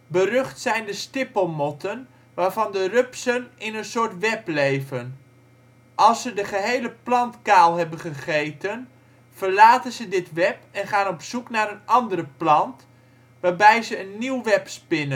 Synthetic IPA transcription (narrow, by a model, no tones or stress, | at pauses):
bərøχtsɛjndəstɪpəlˠmɔtən | ʋaːɹvɑndərøpsənɪnənsʊːɹtʋɛplejvən | ʔɑlˠsədəχəɦejləplɑntkaːlˠɦɛbənχəχejtən | v̥ərlaːtənzədɪtʋɛpɛnχaːnɔpsuknaːɾənɑndərəplɑnt | ʋaːɹbɛjzəənːiwʋɛpspɪnən